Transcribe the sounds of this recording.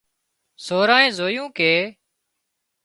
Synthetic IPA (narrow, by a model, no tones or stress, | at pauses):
soːɾaːẽːzoːjũːkeː